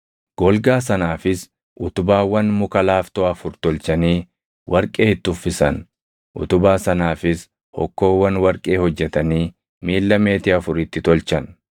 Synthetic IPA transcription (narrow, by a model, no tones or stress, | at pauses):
ɡ̥ɔlɡaːs̬ɐnaːfɪs | ʔʊt̪ʊbaːwːɐnmʊkɐlaːft̪oːɐfʊɾt̪ɔlt͡ʃɐniː | wʔɐɾkʼe̞ːɪt̪ːʊfːɪsɐn | ʔʊ̰t̪ʊbaːsɐnaːfɪs | hɔ̰kːo̞ːwːɐnwɐɾkʼe̞ːhɔd͡ʒːɛt̪ɐniː | miːlːɐme̞ːt̪ɪɐfʊɾɪt̪ːɪt̪ɔlt͡ʃɐn